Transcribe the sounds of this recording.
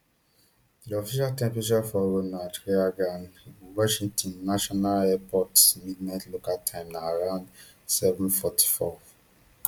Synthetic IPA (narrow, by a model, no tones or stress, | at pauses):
diɔfiʃaltɛ̃mpɹeʃafɔɹonad͡ʒɹeaɡãniɡuwɔʃĩŋtɔ̃nːaʃɔnalɛpɔtsmidnaɪtlokaltʰãɪ̃mnaːɹãʊ̃nd | sɛvũnfɔtʰi̥fɔ